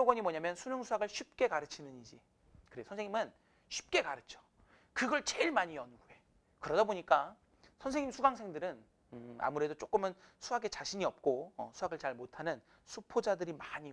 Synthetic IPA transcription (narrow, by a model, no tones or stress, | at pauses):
oɡwʌɲimwʌɲamjʌnsʰunoŋsʰuaɡɯɭɕʰip̚k͈e̞kaɾɯt͡ɕʰinɯɲid͡ʑi | kɯɾeosʰʌnsʰeŋɲimɯn | ɕʰi̥p̚k͈e̞kaɾɯt͡ɕʰo̥ | kɯɡʌɭt͡ɕeɭmaɲijʌnɡue̞ | kɯɾʌdaboɲik͈a | sʰʌnsʰe̞ŋimsʰuɡaŋsʰe̞ŋdɯɾɯn | ɯa̰muɾe̞dot͡ɕ͈ok͈ɯmɯnsʰuɦaɡe̞t͡ɕaɕʰiɲiʌp̚k͈oʌ̰sʰuaɡɯɭt͡ɕaɭmotʰanɯn | sʰupʰod͡ʑadɯɾimaɲi